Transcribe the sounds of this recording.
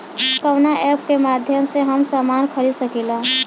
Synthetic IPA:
kəwnaʔɛːpkemaːd̪ʱjəmseɦəmsaːmaːnkʰəɾiːd̪səkila

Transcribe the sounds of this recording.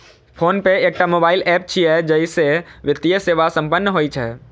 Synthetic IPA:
pʰoːnpeeːk̚ʈamoːbaːɪlɛːp̚t͡ʃʰiɦɛd͡ʒɐiseʋɪt̪ijəseːʋasɐ̃mpənːəɦoːit͡ʃʰɛː

